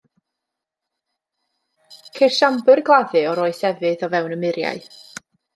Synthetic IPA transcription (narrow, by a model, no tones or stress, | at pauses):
kʰejrʃambɨrɡlˠaðɨɔɾoːɨsɛvɨðɔvɛwnəmɪɾja̰ɨ